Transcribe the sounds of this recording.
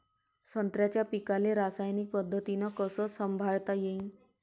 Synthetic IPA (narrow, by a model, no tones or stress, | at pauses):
sənt̪ɾjat͡ɕjapikaleɾasajnik̚pəd̪ʱːət̪inɔkəsɔsəmbʱaɭt̪ajeĩ